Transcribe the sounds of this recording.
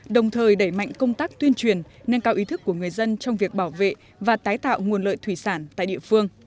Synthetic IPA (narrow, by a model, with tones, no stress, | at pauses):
ɗə˨˩wŋ͡mt̪ʰəː˨˩jɗə˧˩jma̰˧˨jŋ̟kə˧wŋ͡mt̪aː˦˥k̚t̪wi˧ənt͡ɕwi˨˩ən | ne˧nkaː˧wʔi˨˦t̪ʰɨ˦˥kːu˧˩əŋɨ˨˩əjzə˧nt͡ɕɔ˧wŋ͡mvi˨˩ək̚ɓaː˧˩wvḛ˧˨ | vaː˨˩t̪aː˨˦jt̪a̰ː˧˨wŋu˨˩ənlə̰ː˧˨jt̪ʰwi˧˩saː˧˩nt̪a̰ː˧˨jɗḭ˧˨əfɨ˧əŋ